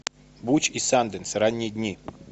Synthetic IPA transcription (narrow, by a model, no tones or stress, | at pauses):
but͡ɕisand̪ɨnsɾanʲːɪjəd̪ʲnʲi